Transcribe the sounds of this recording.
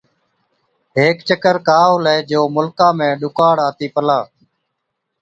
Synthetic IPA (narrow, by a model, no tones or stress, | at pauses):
ɦeːkt͡ʃəkəɾkaːɦoleːd͡ʒoːmʊlkãːmẽːɗʊkaːɽaːt̪iːpəlaː